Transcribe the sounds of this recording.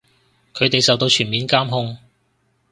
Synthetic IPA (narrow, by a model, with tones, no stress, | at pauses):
kʰɵ˨˧ɥt̪e˨jsɐ˨wt̪o˧wt͡ʃʰyː˨˩nmiː˨˧nkaː˥mɦʊ˥ŋ